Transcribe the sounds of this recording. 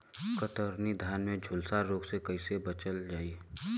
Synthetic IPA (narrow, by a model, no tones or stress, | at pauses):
kət̪əɾnid̪ʱjaːnmẽd͡ʒʱʊlsaɾoːɡsekɐisebət͡ʃəld͡ʒaːiː